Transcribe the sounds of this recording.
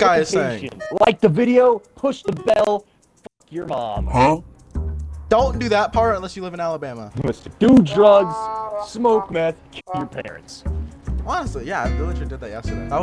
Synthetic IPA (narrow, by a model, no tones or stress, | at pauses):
ɡ̥aɪɨeɪʃɨ̰̃nlaɪk̚ðɨvɪɾioʊpʰʊʃðəbɛllˠ | fʌkʰjə˞mɑ̰̃mh | d̥õʊ̃nd̥ɨðət̚pʰɑɹɾə̃nlɛsjɨlɪvɨ̃nælˠəbæməɪstəd̥udɹʌɡz̥smoʊkmɪθkʰɪpjə˞pʰɛ̰ɹɨ̰̃nts | ɑnəstˡlijævɪlˠəd͡ʒɨ̃ndɨd̪̚ðɨt̚jæsəw